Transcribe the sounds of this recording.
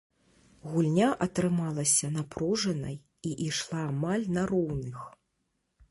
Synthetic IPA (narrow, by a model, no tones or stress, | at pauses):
ɣulʲnʲaʔɐt̪ɾɨmalˠɐsʲɐnapɾɔʐɐnɐj | iʔiʂlˠaːmalʲnɐɾɔwnɨx